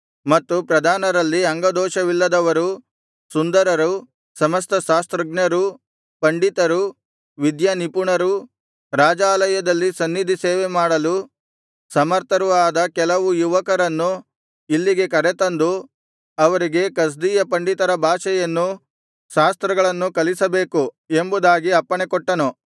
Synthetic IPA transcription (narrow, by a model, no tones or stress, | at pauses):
mɐt̪ːupɾɐd̪ʱaːnɐɾɐlːiɐŋɡɐd̪ɔːʃɐʋilːɐd̪ɐʋɐɾu | sund̪ɐɾɐɾu | sɐmɐst̪ʰɐʃaːst̪ɾɐɡnɐɾu | pɐɳɖit̪ɐɾu | ʋid̪janipuɳɐɾu | ɾaːd͡ʒaːlɐjɐd̪ɐlːisɐnːid̪ʱiseːʋemaːɽɐlu | sɐmɐɾt̪ʰɐɾuaːd̪ɐkɛlɐʋujuʋɐkɐɾɐnːu | ilːiɡe̞kɐɾet̪ɐnd̪u | ɐʋɐɾiɡe̞kɐs̬d̪iːjɐpɐɳɖit̪ɐɾɐbʱaːʃɛjɐnːu | ʃaːst̪ɾɐɡɐɭɐnːukɐlisɐbeːku | e̞mbud̪aːɡiɐpːɐɳekɔʈːɐnu